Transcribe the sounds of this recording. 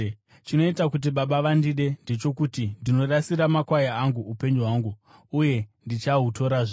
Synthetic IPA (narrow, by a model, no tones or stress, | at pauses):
t͡ʃino̞itakut̬iɓaɓaʋandiɗe̞nde̞t͡ʃo̞kutindino̞ɗasiɾamakwajaaŋɡuupe̞ɲd͡ʒoɦwaŋɡu | uje̞ndit͡ʃaɦuto̞ɾaʐe